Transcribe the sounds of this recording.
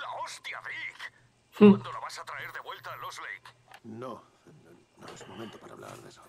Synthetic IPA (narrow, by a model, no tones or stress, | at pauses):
laost̪jaβik | hund̪oloβasat̪ɾaeɾðe̞βwe̞lt̪alozlejkno | no̰esmoment̪opaɾa̰βla̰ɾðeso